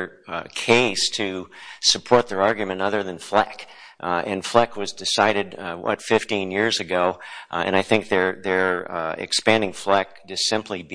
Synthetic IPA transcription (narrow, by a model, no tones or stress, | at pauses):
kʰeɪstʰɨsɨpʰɔɹt̪̚ðə˞ɑɹɡjmɨ̃ntʌðə˞ðɨ̃nflæ̰k | ɨ̃nflækʰwʌzdɨsaɪɾɨd̚wʌ̰tfɪftĩnjɪɹzɨɡoʊɨ̰̃ñaɪθɪ̃ŋk̚ðə˞ðə˞ɪ̰kspæ̃ndɪ̃ŋflæk̚d̥ɨd̥sɪ̃mpʰlib